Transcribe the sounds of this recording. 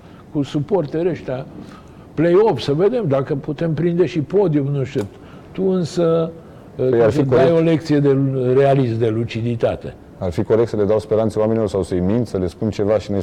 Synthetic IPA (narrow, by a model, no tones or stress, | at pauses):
kusupo̞rt̪eɾeʃt̪ea | plejo̞fsəve̞d̪e̞md̪akəput̪e̞mpɾind̪e̞ʃipo̞d̪iofnuʃt̪uu | t̪uɨnsə | arfioaajo̞le̞k̚t̪sije̞d̪e̞realisd̪e̞lut͡ʃid̪it̪at̪e̞̰ | arfiko̞ɾek̪̚səle̞d̪awspeɾant̪seoame̞nilo̞rsawsəjmint̪səle̞spunt͡ʃe̞vaʃinuj